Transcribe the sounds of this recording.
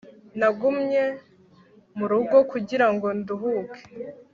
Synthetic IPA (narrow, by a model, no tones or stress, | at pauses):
naɡumɲe̞ | muɾuɡo̞kuɟiɾaŋɡo̞nduɦuːkʰe̥